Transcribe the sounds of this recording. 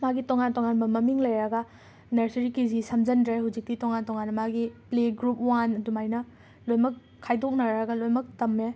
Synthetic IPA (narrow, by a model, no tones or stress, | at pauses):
maɡitoŋantoŋanbɐmɐmiŋlɐjɾɐɡɐ | nɐɾsɾikizisɐmd͡ʒɐndɾaɦud͡ʒik̚titoŋantoŋanːɐmaɡipleɡɾup̚wanɐdumajnɐ | lojmɐkʰːajdok̚nɐɾɐɡɐlojmɐk̚tɐme